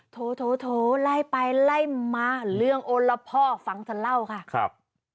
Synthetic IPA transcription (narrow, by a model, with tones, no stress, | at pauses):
t̪ʰoː˨˦t̪ʰoː˨˦t̪ʰoː˨˦la˧˥˩jpa˧jla˧˥˩jmaː˧lɯ˥˧˩əŋʔo˧nla˧pʰɔː˧˩fa˨˦ŋt̪ʰa˧la˥˩wkʰa˧˥˩kʰa˧p̚